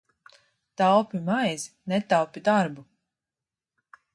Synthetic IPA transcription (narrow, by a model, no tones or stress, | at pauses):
t̪awpʲimajz | nɛt̪awpid̪aɾbu